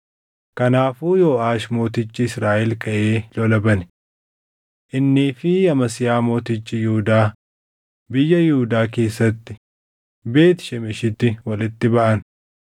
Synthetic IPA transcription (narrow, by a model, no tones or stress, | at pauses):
kɐnaːfuːjo̞ːʔaːʃmo̞ːt̪ɪt͡ʃːɪɪsɾaːʔɛlkʰɐʔeːlɔlɐbɐn | ʔɪnːiːfɪjɐmɐsɪjaːmo̞ːt̪ɪt͡ʃːɪjɪhʊd̪aː | bɪjːɐjɪhʊd̪aːke̞ːsːɐt̪ːɪ̥ | be̞ːt̪ɪ̥ʃɛmɪʃɪt̪ːɪwɐlɪt̪ːɪbɐʔɐn